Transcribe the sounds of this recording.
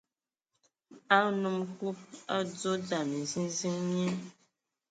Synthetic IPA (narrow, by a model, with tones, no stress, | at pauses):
a˦nu˦˨mku˦p̚a˦d͡zo˦d͡za˨ni˨zi˦nzi˦ŋɲi˦